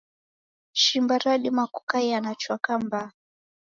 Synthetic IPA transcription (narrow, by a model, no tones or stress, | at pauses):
ʃimbaɾaɗimaku̥kajanat͡ʃwakamba